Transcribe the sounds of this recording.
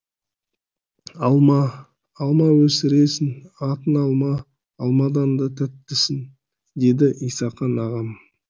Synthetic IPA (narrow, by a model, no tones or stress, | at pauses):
ɑlˠmɑː | lˠmɑwɵsɪɾe̞sɪnɑt̪ənɑlˠmɑː | lˠmɑd̪ɑnd̪ɑt̪ʰæt̪ːɪsɪn | d̪e̞d̪ɪʔijsɑqːɑnɑʁɑm